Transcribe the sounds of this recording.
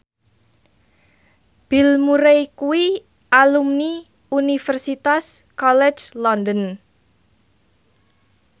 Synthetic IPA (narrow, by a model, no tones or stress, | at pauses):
b̥ilmuɾejkuwi | ʔalumni | unifərsit̪askɔlɛ̥d͡ʒlɔndən